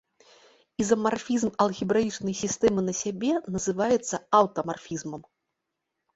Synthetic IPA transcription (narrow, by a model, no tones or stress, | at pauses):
izɐmarfʲizmɐlˠɣʲibɾait͡ʂnɐjsʲist̪ɛmɨnɐsʲabʲɛnɐzɨvajɛt̪sːɐɐwt̪ɐmarfʲizmɐm